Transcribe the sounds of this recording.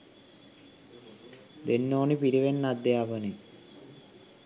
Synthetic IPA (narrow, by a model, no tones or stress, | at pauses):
d̪enːoːnipiɾibenːad̪ːeabəni